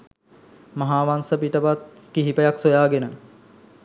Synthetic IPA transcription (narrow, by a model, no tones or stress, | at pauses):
mɐɦaːʋansəpiʈəʋat̪̚kiɦipəjaksojaːɡenə